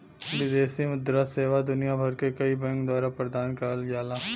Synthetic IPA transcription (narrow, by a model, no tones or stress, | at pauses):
ʋɪd̪eːsimʊd̪ɾaseːʋad̪ʊnijabʱɐɾkekɐibɛ̃ŋkd̪waːɾapɾəd̪aːnkəɾəlɡjaːlaː